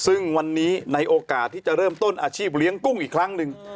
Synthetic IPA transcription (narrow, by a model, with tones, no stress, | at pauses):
sɯ˥˩ŋwa˧nːiː˦˥na˧jʔoː˧kaː˨˩t̪ʰːiː˥˩t͡ɕa˨˩ʔɾɤː˥˩mt̪o˥˩nʔaː˧t͡ɕʰiː˥˩p̚li˦˥əŋku˥˩ŋʔiː˨˩kʰɾa˦˥ŋnɯ˧ŋ